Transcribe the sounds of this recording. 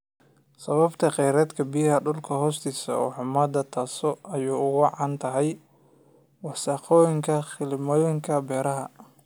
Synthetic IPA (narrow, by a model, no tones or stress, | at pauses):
sɐβɐbt̪ʰɐqɛjɾɛːd̪kʰɐbijɐɦɐɖʊlkʰɐɦɔːst̪ʰiːsɐ̰ɔ̰ːħʊmɐd̪ɐt̪ʰaːsɔʔɐjuːʊɣʊʕɑnt̪ʰɐɦɛj | wɑsɑːqɔːjɪŋkʰɐχɪlɪmɔːjɪŋkʰɐbɛːɾɐɦɐ̰